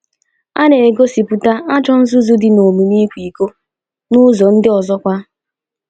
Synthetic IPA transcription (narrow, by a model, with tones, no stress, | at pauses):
a˦ne˨e˨ɡo˦si˨pu˨ta˦ʔa˦d͡ʒɔ˦n̩˦zʊ˦zʊ˦dɪ˨no˨mi˨ni˦kʷi˨ko˦ | nʊ˦zɔ˨n̩˦dɪ˦ɔ˨zɔ˦kʷa˦